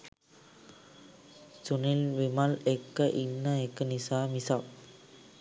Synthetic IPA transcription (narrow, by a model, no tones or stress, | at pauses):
sunilʋimalekːəʔinːəekːənisaːmisap̚